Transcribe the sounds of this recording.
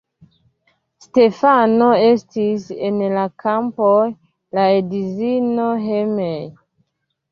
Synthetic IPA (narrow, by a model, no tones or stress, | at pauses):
ste̞fano̞e̞stisenlakampoj | laedizinoɦemej